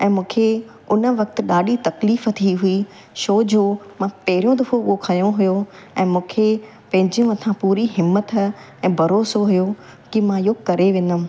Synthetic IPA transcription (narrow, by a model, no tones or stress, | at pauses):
ɛ̃ːmũːkʰe | ʊnə̆ʋɐk̚t̪ɪ̆ɗaːɗit̪ɐkliːfət̪ʰiɦui | ʃoːd͡ʑoːmãpɐɦɪɾijõd̪ʊfookʰɐjõɦʊjo | ɛ̃ːmũːkʰe | pɐ̃ɦɪ̃ɲd͡ʑijõɐt̪ʰãpuːɾiɦɪmət̪ | ɛ̃ːbʱɐɾoːsoɦʊjo | kimãɪjokɐɾeʋẽːn̆d̪əm̃̆